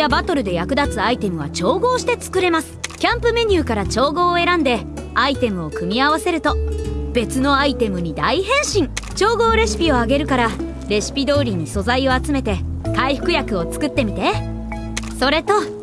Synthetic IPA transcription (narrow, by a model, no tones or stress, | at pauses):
jabat̪o̞ɾɯ̟d̪e̞jakɯ̟d̪at͡sɨait̪e̞mɯ̟β̞a̰t͡ɕo̞ːɡo̞ːɕi̥t̪e̞t͡sɨ̥kɯ̟ɾe̞masɨ̥kʲãmpɯ̟me̞ɲ̟ʲɨːkaɾat͡ɕo̞ːɡo̞ːe̞ɾãnd̪e̞ait̪e̞mɯ̟o̞kɯ̟mʲiaβ̞ase̞ɾɯ̟t̪o̞b̥e̞t͡sɨno̞ait̪e̞mɯ̟ɲ̟id̪aiɦẽ̞ɰ̃ɕĩŋt͡ɕo̞ːɡo̞ːɾe̞ɕi̥pʲio̞aɡe̞ɾɯ̟kaɾa | ɾe̞ɕi̥pʲid̪o̞ːɾʲiɲ̟iso̞zaio̞at͡sɨme̞t̪e̞kaiɸɯ̟̥kɯ̟jakɯ̟o̞t͡sɨ̥kɯ̟t̪ːe̞mʲit̪e̞ | so̞ɾe̞t̪o̞